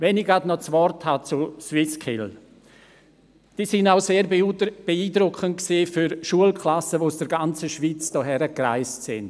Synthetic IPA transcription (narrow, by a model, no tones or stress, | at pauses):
vɛniɡadnɔt͡svɔrthat͡suswɪskʰɪl | d̥iːsɪnaʊseːɾb̥eiːdɾʊkʰəntksiːfyɾʃuəlkʰlasəʋosd̥əɾɡant͡səʃviːt͡sd̥ɔɦɛɾəkra̰ɪstsɪnd